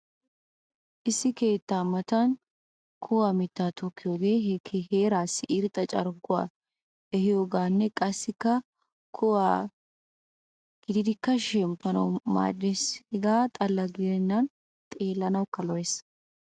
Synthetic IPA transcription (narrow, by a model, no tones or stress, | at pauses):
ʔɪsːɪke̞ːt̪ːaːmɐt̪ɐn | kʰʊwaːmɪt̪ːaːt̪ʰɔkːɪjoːɡe̞ːhɛkʰhe̞ːɾaːsːɪʔɪɾt̪ʼɐt͡ʃʼɐɾɡʊwa̰ː | ɛhɪjoːɡaːnːɛkʼɐsːɪkːɐ | kʰʊwaː | ɡ̥ɪd̪ɪd̪ɪkːɐʃɛmpːɐnɐwma̰ːdːeshɛɡaːt̪ʼɐlːɐɡɪd̪ɛnːɐn | t̪ʼe̞ːlːɐnɐwkːɐlɔjes